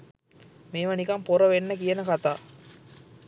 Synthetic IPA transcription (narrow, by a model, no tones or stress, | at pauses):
meːʋɐnikɐmpoɾɐʋenːəkijɐnəkat̪aː